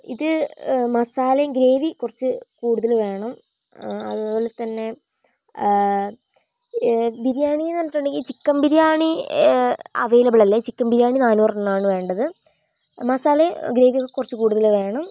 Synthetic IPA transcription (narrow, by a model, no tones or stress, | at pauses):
iðɨmɐsaːlɐjɡɾe̞ːʋikurɐt͡ɕːɨkuːɽuðɐlʋe̞ːɳɐm | ɐðɨo̞ːlet̪ːɐnːe̞ | biɾjaːɳienɐnːɐʈːoɳɖe̞ŋɡilt͡ɕikːɐmbiɾjaːɳi | ɐ̰ʋejlɐbɐɭɐlːet͡ɕikːɐmbiɾijaːɳinaːnuːrnaːɳɨʋe̞ːɳɖɐðɨ | mɐsaːleɡɾe̞ːʋijokːekːurɐt͡ɕːɨkuːɽuðɐlʋe̞ːɳɐm